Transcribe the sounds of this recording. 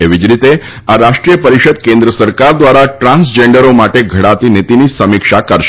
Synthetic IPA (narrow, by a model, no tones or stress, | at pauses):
eʋid͡ʒɾit̪e | aɾaʂʈɾijəpəɾiʃəd̪̚kẽnd̪ɾəsəɾkaɾd̪ʋaɾaʈɾãnsd͡ʒeɳɖəɾomaʈeɡʱəɽat̪init̪inisəmikʂakəɾʃ